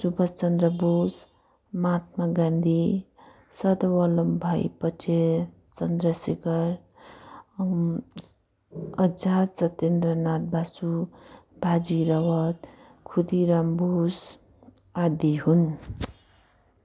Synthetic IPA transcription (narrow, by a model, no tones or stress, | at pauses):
subʌst͡sʌnd̪ɾʌbus | mat̪̚maɡand̪ʱi | sʌd̪ʌwʌlʌmbʱajpʌtʰe | t͡sʌnd̪ɾʌseɡʌɾ | ʌd͡zasʌt̪end̪rʌnat̪̚basubad͡ziɾʌwʌt̪ | kʰud̪iɾambus | ad̪iɦun